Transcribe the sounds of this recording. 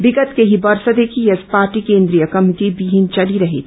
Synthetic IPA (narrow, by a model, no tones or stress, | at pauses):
bɪɡət̪keɦibɐɾsəd̪eːkijespaːɾʈikẽːnd̪ɾijəkɐmɪʈibiɦint͡ʃɐliɾɐɦḭ